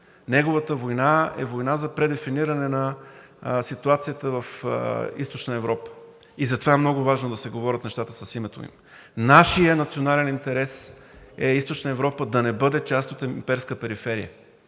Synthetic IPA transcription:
nɛɡovət̪əvojnaɛ̰vojnazɐpɾɛd̪ɛfiniɾɐnɛnɐ | sit̪uat̪sijət̪əvɐfḭst̪ot͡ʃnəɛvɾɔpə̥ | izɐt̪ovaɛmnɔɡʊvaʒnod̪ɐsɛɡovɔɾʲət̪nɛʃt̪at̪əsɐsimɛt̪o̰ḭm | naʃijənɐt̪sionalɛnint̪ɛɾɛs | ɛist̪ot͡ʃnəɛvɾɔpəd̪ɐnɛbɤd̪ɛt͡ʃast̪ot̪ɛmpɛɾskəpɛɾifɛɾijə̰

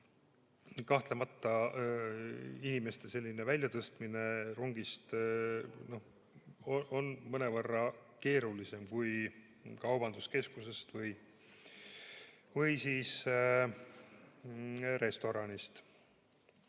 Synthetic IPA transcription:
kɑht̪lemɑt̪ːɑ | inime̞st̪e̞se̞lʲːine̞vælʲjɑt̪ɤst̪mine̞ruŋɡist̪ | no̞h | oo̞nmɤne̞vɤrːɑke̞ːɾulise̞mkuj | kɑwbɑnd̪̥uske̞skuse̞st̪vɤj | vɯjsiːs | ɾe̞st̪o̞ɾɑnist̪

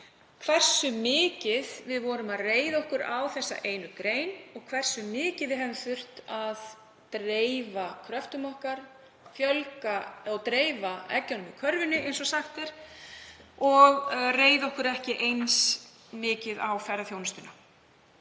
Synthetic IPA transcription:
kʰvɛr̥sʏmɪːcɪðvɪðvɔːɾʏmaðreːjðaɔhkʏɾa̰wθɛsːa̰ʔejnʏkɾeːjnɔɣkʰvɛr̥sʏmɪːcɪðvɪɦɛvɪmθʏr̥t̪að | t̪ɾeːjvakʰɾœft̪ʏmɔhkaɾ̥ | fjœlkaɔɣt̪ɾeːjvaɛ̰cːanʏmɪkʰœɾvʏnːɪʔejnsɔsaxt̪ɛɾ̥ | ɔɣreːjðaɔhkʏɾɛhcɪʔejns | mɪːcɪðawfɛɾaθjownʏst̪ʏna

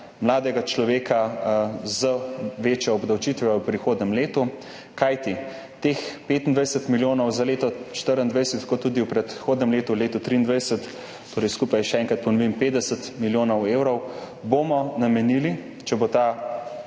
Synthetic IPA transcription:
mlaːd̪ɛɡat͡ʃlɔʋeːka | zəʋeːt͡ʃjɔɔbd̪ɐwt͡ʃit̪ʋɛɛwpɾixoːd̪nʲɛmleːt̪u | kajt̪i | t̪expeːt̪ind̪ʋajɛsət̪miljoːnɔwzaleːt̪ɔt͡ʃt̪əɾənd̪ʋajsət̪kot̪ːuːd̪iwpɾɛt̪xoːd̪nʲɛmleːt̪uleːt̪ɔt̪ɾiːnd̪ʋajsət̪ː | oːɾɛjskuːpajʃɛɛŋkɾɐt̪̚pɔnɔʋimpeːd̪ɛsət̪miljoːnɔweːwɾɔw | boːmɔnamɛnili | t͡ʃɛbot̪a

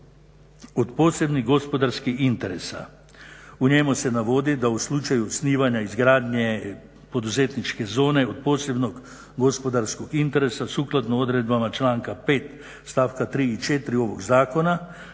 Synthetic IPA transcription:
ot̪poːsebniɣɡospod̪aɾskixint̪ɛɾesa̰ | uɲemusɛnaʋoːd̪id̪auslut͡ʃajusniːʋaɲaizɡɾaːd̪ɲe | pod̪uzeːt̪nit͡ʃkɛzoːnɛot̪poːsebnoɡ | ɡospod̪aɾskokint̪ɛɾesasuːklat̪nɔod̪ɾed̪̚bamat͡ʃlaːŋkapeːt̪ | st̪aːwkat̪ɾiːt͡ʃet̪ɾioʋoɡzaːkona

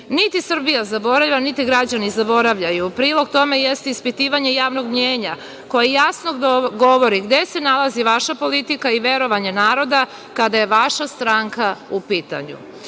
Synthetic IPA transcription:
nit̪isr̩bijazabo̞ɾaʎanit̪iɡɾad͡ʑanizabo̞ɾaʋʎajupɾiːlˠo̞ɡt̪o̞me̞jest̪eispit̪iːʋaɲe̞jaːʋnoɡmɲeːɲa | ko̞jejasnoɡo̞ʋo̞ɾiɡd̪e̞se̞nalaziʋaʃapo̞lit̪ikaiʋe̞ɾo̞ʋaɲenaːɾo̞d̪a | kad̪aje̞ʋaʃast̪ɾaŋkaupiːt̪a̰ɲṵ

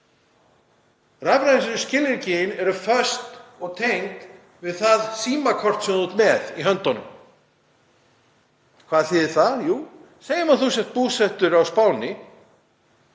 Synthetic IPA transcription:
ravɾansɪnʏscɪlɪɾcɪjɪnɛɾʏfœst̪ɔɣt̪ʰejnt̪ | vɪðθaðsiːmakʰɔr̥t̪sɛmðuːt̪mɛðiɦœnt̪ɔnʏ̰m | kʰvaːðθɪðɛɾ̥θajuː | seːjɪmaθusjɛht̪̚puːsɛht̪ʏɾawspaːwnɪ

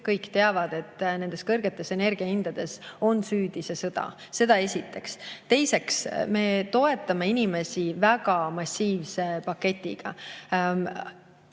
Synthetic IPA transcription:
kɤjkːt̪e̞ɑvɑd̪̥e̞t̪ːne̞nd̪̥e̞skɤrɡ̥e̞t̪ːˑe̞se̞ne̞rɡ̥iɑind̪̥ɑd̪̥e̞so̞nsyːd̪ise̞sɤd̪̥ɑ̰ | se̞d̪̥ɑe̞sʲit̪ːˑe̞kst̪e̞jse̞ksme̞t̪o̞e̞t̪ːˑɑme̞inime̞sivæɡ̥ɑmɑsʲːiːvse̞pɑkːe̞t̪ʲˑːiɡ̥ɑ̰

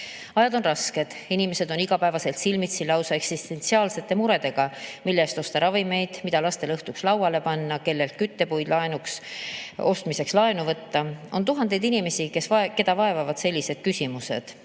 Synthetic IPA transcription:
ɑjɑd̪o̞nrɑske̞d̪̥inime̞se̞d̪o̞niɡ̥ɑpæevɑse̞lt̪silmit̪silɑwsɑe̞ksist̪e̞nt̪siɑːlse̞t̪ːˑe̞muɾe̞d̪e̞ɡ̥ɑmilːest̪o̞st̪ɑɾɑvime̞jd̪̥mid̪̥ɑlɑst̪e̞lɤht̪ukslɑwɑle̞pɑnːɑke̞lːe̞lt̪̚kyt̪ːe̞pujd̪lɑe̞nuks | o̞st̪mise̞kslɑe̞nuvɤt̪ːɑo̞̰nt̪uɦɑnd̪̥e̞jd̪inime̞sike̞svɑke̞d̪ɑvɑe̞vɑvɑd̪se̞lʲːise̞d̪̥̚kysimuse̞̰d̪̥

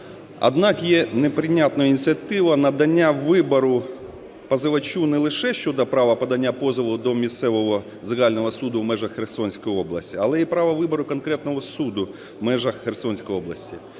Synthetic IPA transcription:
ɐ̰d̪nɑkjɛnɛpɾɪnʲat̪nɔjinʲɪt̪sʲijɐt̪ɪʋɐnɐd̪ɐnʲːaʋɪbɐɾʊ | pɐzɪʋɐt͡ʃunɛlˠɪʃɛʃt͡ʃɔd̪ɐpɾɑʋɐpɐd̪ɐnʲːapɔzɪʋˠʊd̪ɔmʲist̪sɛʋɔɦɔ | zɪɣɑlʲnɔɦɔsud̪ʊwmɛʒɐxːersɔnʲsʲkɔjɪɔblˠɐsʲtʲiɐlˠɛipɾɑʋɐʋɪbɔɾʊkɔnkɾɛt̪nɔɦɔsud̪ʊ | mɛʒɐxːɛrsɔnʲsʲkɔjɔblˠɐsʲtʲi

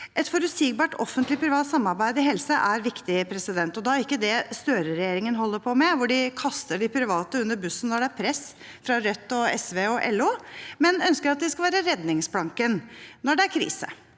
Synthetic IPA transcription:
ʔɛt̪fɔɾʉsɪɡ̚bɑːʈɔfːənt̪lɪpʰɾɪʋɑːt̪sɑmːɑɾbæɪd̪ɪɦɛlsəʔæɾʋɪkt̪ɪpʰɾɛsɪd̪ɛnt̪ɔd̪ɑːæɾɪkːəd̪ɛst̪øːɾəɾɛjeːɾɪŋənɦɔlːəɾpʰɔmɛʋʊɖɪkʰɑst̪əɖɪpʰɾɪʋɑːt̪əʉnːəɾbʉsən̩nɔɖɛæɾpʰɾɛs | fɾɑɾœt̪ːɔɛsʋeɔʔɛ̰lːuːmɛnœnskəɾɑt̪̚d̪ɛskɑʋæːɾəɾɛd̪nɪŋsbɽɑŋkənnɔɖɛæɾkʰɾḭːsə̰

